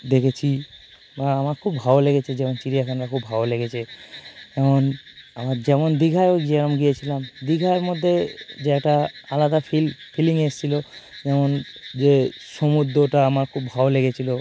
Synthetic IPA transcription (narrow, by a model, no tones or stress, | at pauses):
d̪ekʰet͡ɕʰi | baamaɾkʰubːʱableɡet͡ɕʰed͡ʑɛmont͡ɕiɾijakʰanɾakʰubʱaboleɡet͡ɕʰe | ɛmonamaɾd͡ʑɛmond̪iɡʱajokd͡ʑeaɾomɡijet͡ɕʰilamd̪iɡʱaoɾmod̪ʱːed͡ʑeɛk̚ʈaalad̪afilfʰiliŋeʃt͡ɕʰilod͡ʑɛmond͡ʑeʃomud̪ːoʈaamaɾkʰubʱaboleɡet͡ɕʰilo